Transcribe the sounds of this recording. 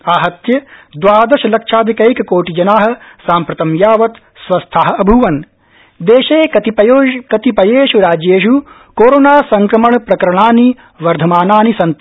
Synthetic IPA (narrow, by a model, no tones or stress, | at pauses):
aːɦɐt̪jɐd̪ʋaːd̪ɐʃɐlɐkʂaːd̪ʱikɐjkɐkoːʈid͡ʒɐnaːɦɐ̆saːmpɾɐt̪ɐmjaːʋɐt̪ | sʋɐst̪ʰaːɦɐ̆ɐbʱuʋɐn | d̪eːʃeːkɐt̪ipɐokɐt̪ipɐjeːʃuɾaːd͡ʒjeːʃu | koːɾoːnaːsɐŋkɾɐmɐɳpɾɐkɐɾɐɳaːni | ʋɐɾd̪ʱɐmaːnaːnisɐnt̪